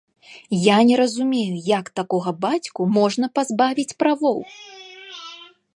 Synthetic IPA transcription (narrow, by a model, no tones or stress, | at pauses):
janʲɛɾɐzumʲejujɐkt̪akɔɣɐbat͡sʲkumɔʐnɐpazbavʲit͡sʲpɾavɔw